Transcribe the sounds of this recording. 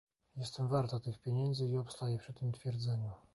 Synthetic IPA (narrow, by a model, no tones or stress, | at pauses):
jɛst̪ɛmvaɾt̪at̪ɘxpʲjeɲɛnd̪zɘiɔpst̪ajɛpʂɘt̪ːɘmt̪fʲjɛɾd̪zɛɲu